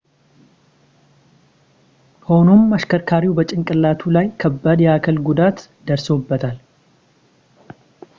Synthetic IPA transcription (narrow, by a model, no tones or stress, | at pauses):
ho̞nomaʃkʰəɾkʰaɾiwbət͡ʃʼɪŋkʼɨlːat̪ʰulajkʰəbːad̪jɛakʰəlɡud̪at̪ | d̪əɾsobːət̪ʰal